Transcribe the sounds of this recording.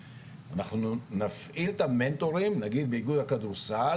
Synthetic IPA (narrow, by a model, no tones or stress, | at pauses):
anaχnuunafʔilt̪ame̞nt̪o̞ʁimnaɡid̪̚beiɡud̪hakad̪uʁsa